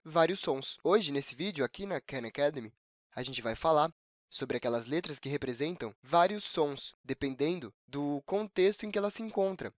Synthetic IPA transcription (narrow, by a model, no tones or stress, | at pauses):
vaɾiʊsːõsoʒɪnesɪvid͡ʒʊakinɐkɛ̃nakɛd̪emɪ | ɐʒẽnt͡ʃɪvajfalaɾ | sobɾɪakɛlɐzlet̪ɾɐskɪɦepɾezẽnt̪ɐ̃w̃vaɾiʊsːõsd̪epẽnd̪ẽnd̪ʊ | d̪ʊkõnt̪est̪ʊẽkɪɛlɐsɪẽŋkõnt̪ɾɐ